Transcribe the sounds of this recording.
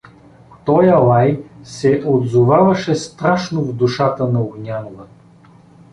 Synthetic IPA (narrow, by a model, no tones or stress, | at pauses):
t̪ɔjɐlˠajsɛʔod̪zʊvavɐʃɛst̪ɾaʃnovd̪uʃat̪ənɐoɡnʲanʊvə